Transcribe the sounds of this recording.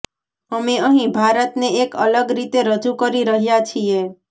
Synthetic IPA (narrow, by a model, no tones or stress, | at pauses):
əmeəɦĩbʱaɾət̪neːkələɡɾit̪eɾəd͡ʒukəɾiɾəɦjat͡ʃʰie